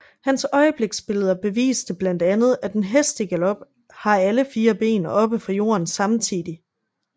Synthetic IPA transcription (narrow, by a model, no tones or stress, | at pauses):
hænsɒ̽ɪəb̥le̝ɡ̥sb̥e̝ləð̞ˠɐb̥e̝ʋḭːsd̥əb̥læn̰d̥ænð̞̩ˠæd̥enɦesd̥əɡ̥ælɒ̽b̥ | hɑ̈æləfiːɐb̥e̝̰ːnʔɒ̽b̥əfʁɑ̈jo̝̰ːɐnsɑ̈mt͡sʰið̰ˠi